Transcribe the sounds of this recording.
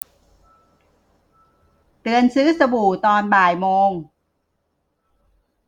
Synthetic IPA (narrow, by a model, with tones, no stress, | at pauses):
t̪ɯ˧ənsɯː˦˥sa˧bu˨˩t̪ɔː˧nbaː˨˩jmoː˧ŋ